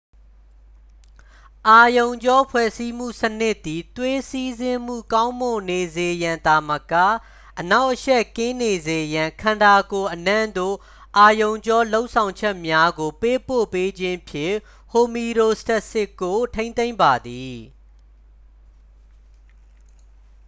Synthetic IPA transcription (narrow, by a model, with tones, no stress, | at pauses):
ʔa˨jõ˨ʊ̃ɲd͡ʑɔ˦pʰwɛ̰˦˨si˦m̥ṵ˦˨sənɪ˦ʔt̪ːi˨t̪we˦si˦zɪ̃˦m̥ṵ˦˨kã˦ʊ̃mo˨ne˨ze˨jã˨nd̪a˨məka̰˦˨ | ʔəna˦ʊʔəʃɛ˦ʔkɪ̃˦ne˨ze˨jã˨ŋkʰã˨nda˨ko˨ʔənã˦˨nd̪o̰˦˨ | ʔa˨jõ˨ʊ̃ɲd͡ʑɔ˦lo˦ʊʔsʰã˨ʊ̃ɲt͡ɕʰɛ˦ʔmja˦ɡo˨pe˦po̰˦˨pe˦d͡ʑɪ̃˦pʰjɪ̰̃˦˨ | ho˨mi˨ɾo˨stɛ˦ʔsɪ˦kːo˨tʰẽ˦ɪ̃nt̪ẽ˦ɪ̃mba˨d̪i˨